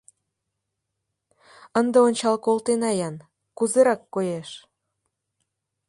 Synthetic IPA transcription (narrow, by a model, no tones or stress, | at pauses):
ənd̪ĕonʲt͡ɕɑlkolt̪enɑjɑn | kuzeɾɑkːojeʃ